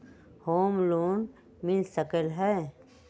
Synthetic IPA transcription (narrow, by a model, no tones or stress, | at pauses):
hoːmloːn | mɪlsəkəlɦɛː